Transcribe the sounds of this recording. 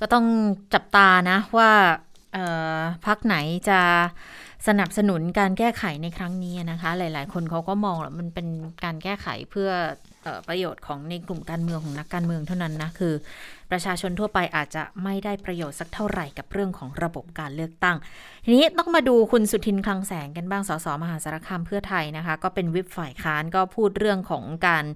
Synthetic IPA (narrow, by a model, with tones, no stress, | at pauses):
kɔː˥˩t̪ɔ˥˩ŋt͡ɕa˨˩p̚t̪aː˧na˦˥waː˥˩ | ʔɤː˨˩pʰa˦˥k̚na˩˦jt͡ɕa˨˩ | sa˧na˨˩p̚sa˧nu˨˩˦nkaː˧nkɛː˥˩kʰa˨˩˦jna˧jkʰɾa˦˥ŋniː˦˥a˨na˦˥kʰa˦˥laː˩˦jlaː˩˦jkʰo˧nkʰa˦˥wkɔː˥˩mɔː˧ŋla̰˧˦˥ma˧npe˧nkaː˧nkɛː˥˩xʰa̰˨˩˦jpʰɯ˥˩ɐ | ʔɤ̰ː˨˩pɾa˧joː˨˩t̪̚kʰɔː˩˦ŋna˧jklu˨˩mkaː˧nmɯ˧ŋkʰɔː˩˦ŋna˦˥kːaː˧nmɯ˧əŋt̪ʰa˥˩wna˦˥nːa˦˥kʰɯː˧pɾa˧t͡ɕʰaː˧t͡ɕʰo˧nt̪ʰu˥˩ɐpa˧jʔaː˨˩t̪̚t͡ɕa̰˨˩ma˥˩jda˥˩jpɾa˧joː˨˩t̪̚sa˨˩k̚t̪ʰa˥˩wɾa˨˩jka˨˩p̚ɾɯ˥˩əŋkʰɔː˩˦ŋɾa˧bo˨˩p̚kaː˧nlɯ˥˩ək̚t̪a˥˩ŋ | t̪ʰi˧niː˦˥t̪ɔː˥˩ŋmaː˧duː˧kʰu˧nsu˨˩t̪ʰi˧nkʰla˧ŋsɛː˩˦ŋka˧nbaː˥˩ŋsɔː˩˦sɔː˩˦ma˧ɦaː˨˦sa˧ɾa˧˥kʰa˧mpʰɯ˥˩ɐt̪ʰa˧jna˦˥kʰa˦˥kɔː˥˩pe˧nwi˦˥p̚faː˨˩jkʰaː˦˥nkɔː˥˩pʰuː˥˩t̪̚ɾɯ˥˩əŋkʰɔ̰ː˩˦ŋkaː˧n